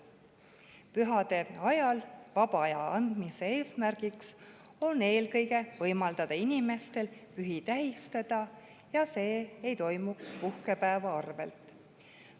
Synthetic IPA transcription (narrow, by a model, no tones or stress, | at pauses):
pyɦɑd̪̥e̞ɑjɑlvɑb̥ɑɑjɑɑnd̪̥mise̞e̞ːsmærɡ̥iks | o̞ne̞ːlkɤ̞jɡe̞vɤjmɑld̪̥ɑd̪̥ɑinime̞st̪e̞lpyɦit̪æɦist̪ɑd̪̥ɑ | jɑse̞ːejt̪o̞jmukspuhke̞pæːvɑɑrve̞̰lt̪ˑ